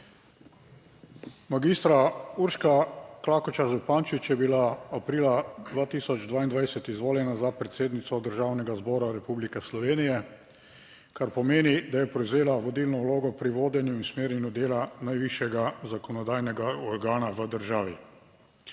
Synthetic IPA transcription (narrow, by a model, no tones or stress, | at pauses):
maɡist̪ɾauɾʃkaklaːkɔt͡ʃaʒupaːnt͡ʃit͡ʃjɛbilaapɾiːlad̪ʋaːt̪iːsɔd͡ʒd̪ʋaːind̪ʋajsɛt̪izʋoːljɛnazapɾɛt̪seːd̪nit̪sɔd̪əɾʒaːwnɛɡazbɔːɾaɾɛpublikɛslɔʋeːnijɛ | kaɾpɔmeːnid̪ajɛpɾɛwzeːlaʋɔd̪ilnɔwloːɡɔpɾiʋoːd̪jɛnjuinsmeːɾjɛnjud̪eːlanajʋiʃjɛɡazakɔnɔd̪aːjnɛɡaɔɾɡaːnaʋəd̪əɾʒaːʋi